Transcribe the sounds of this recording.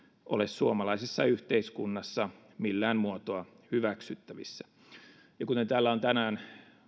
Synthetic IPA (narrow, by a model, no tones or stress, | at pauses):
ʔo̰lessuomɑlɑisesːɑyht̪eiskunːɑsːɑ | milːæːnmuot̪oɑ | hyʋæksyt̪ːæʋḭsːæ | jɑkut̪ent̪æːlːæont̪ænæːn